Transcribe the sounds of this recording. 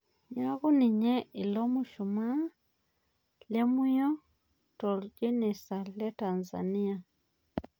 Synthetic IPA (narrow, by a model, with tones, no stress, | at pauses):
ɲa˦ɣu˦ni˨ɲɛ˦i˨lɔ˦mu˦ʃu˨ma˦ | lɛ˦mu˦jɔ˦ | tɔ˨ld͡ʒe˦nɛ˨sa˨lɛ˦ta˨nza̰˨ni˦a˨